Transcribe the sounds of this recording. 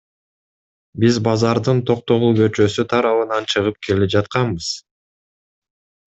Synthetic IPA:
bizbɑzɑɾd̪ɯnt̪ʰo̞q̚t̪o̞ʁubø̞t͡ʃø̞syt̪ʰɑɾɑβɯnɑnt͡ʃʰɯʁɯp̚kʰe̞lepd͡ʒɑt̪̚qɑnbɯz̥

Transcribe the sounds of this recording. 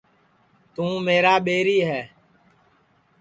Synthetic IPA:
t̪ũːmeːɾaːɓeːɾiːɦɛː

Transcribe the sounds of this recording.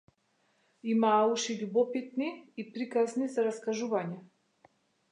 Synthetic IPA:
imaːuʃiʎubɔpit̪niːpɾikaznizaɾaskaʒuvaɲɛ

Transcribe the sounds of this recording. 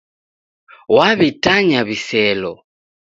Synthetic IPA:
waβitaɲaβisɛlɔ

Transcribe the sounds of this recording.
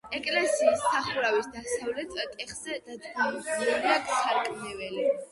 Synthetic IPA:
ɛkʼlɛsiːsːaχuɾavisd̪asavlɛt̪ʰʼt̪ʼɛχzɛtd̪̥at̪ɡʰaidlɛliakʰsʰaɾkʼmɛvɛli

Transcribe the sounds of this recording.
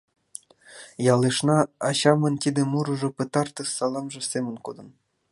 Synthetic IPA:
jɑlˠeʃnɑɑɕɑmɤ̆nt̪ʲid̪ĕmuɾɤ̆ʒɤ̆pɤ̆t̪ɑrt̪ɤ̆sɑlˠɑmʒɤ̆sʲemʲɘ̆nʲkod̪ɤ̆n

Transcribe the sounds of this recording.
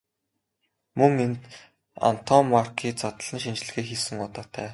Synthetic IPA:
mɵŋent̪ | a̰n̥t̪ʰɔmːarkʰiːt͡sat̪ə̆ɮə̆nʃint͡ɕɪ̆ɮɘ̆ɣeːxisɘ̆ŋʊt̪ɔːt̪ʰæː

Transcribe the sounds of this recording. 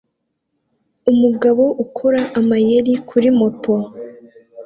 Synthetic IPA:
umuɡaβo̞ʔukʰoɾaʔamajeɾikʰuɾimo̞to

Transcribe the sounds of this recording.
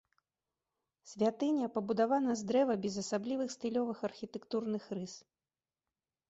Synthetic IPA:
sʲvʲat̪ɨnʲɐpɐbud̪avanɐzd̪ɾɛvɐbʲɛzɐsablʲivɨxst̪ɨlʲɔvɨxɐrxʲit̪ɛkt̪urnɨxrɨs

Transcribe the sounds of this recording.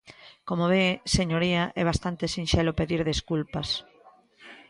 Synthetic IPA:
komoβeseɲoɾiaʔɛβ̞ast̪ant̪esinʃelopeðiɾðeskulpɐs

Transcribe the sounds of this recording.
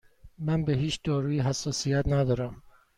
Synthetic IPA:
mænbeɦiːt͡ʃʰd̪ɒːɾuːiɦæsːɒːsijæt̪næd̪ɒːɾæm

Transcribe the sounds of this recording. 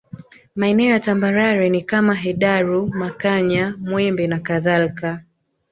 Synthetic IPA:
maɛnɛɔjatambaɾaɾɛnikamaɦɛɗaɾumakaɲamwɛmbɛnakaðalka

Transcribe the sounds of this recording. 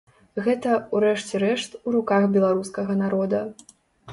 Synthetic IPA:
ɣɛt̪ɐuɾɛʂt͡sʲɛɾɛʂt̪uɾukaxbʲɛlˠaɾuskɐɣɐnaɾɔd̪ɐ

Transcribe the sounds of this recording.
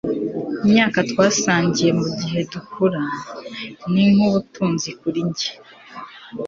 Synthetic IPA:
imɲaːkatwaːsaːɲɟije̞muɟiɦe̞dukuɾa | niŋ̥uβutuːnzikuɾiɲɟe̥

